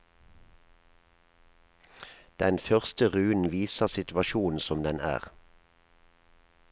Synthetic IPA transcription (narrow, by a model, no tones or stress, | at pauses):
d̪̥ɛnfœʁst̪əʁʉːn̩ʋiːsəʁsɪt̪ʋɑʃuːn̩sɔmd̪ɛnʔæ̰ːʁ